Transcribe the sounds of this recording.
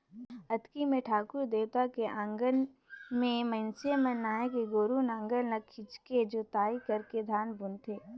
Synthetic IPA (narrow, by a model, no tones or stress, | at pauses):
ɐt̪kimẽʈʰaːkʊɾd̪eːt̪akeʔãːŋɡən | mẽmə̃nsemẽnaːekeɡoːɾunãːŋɡəlnɐkʰːɪt͡ʃked͡ʒoːt̪aːikɐɾked̪ʱaːnbʊnt̪ʰeː